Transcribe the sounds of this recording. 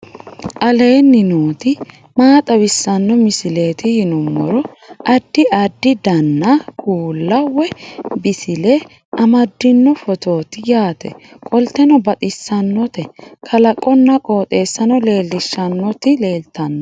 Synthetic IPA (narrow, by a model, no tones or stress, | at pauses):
ʔɐle̞ːnːɪnoːt̪ɪ | maːt̪ʼɐwɪsːɐnːɔmɪsɪle̞ːt̪ɪhɪnʊmːɔ̰ɾɔʔɐd̪ːɪɐd̪ːɪd̪ɐnːɐkʰuːlːɐwɛbɪsɪle | ʔɐmɐd̪ːɪnːɔfɔt̪o̞ːt̪ɪjaːt̪ɛ̰kʼɔlt̪ːɛnɔbɐt̪ʼɪsːɐnːɔt̪ɛkʰɐlɐkʼːɔnːɐkʼo̞ːt̪ʼe̞ːsːɐnɔle̞ːlːɪʃːɐnːɔt̪ɪleːlt̪ɐnːɔ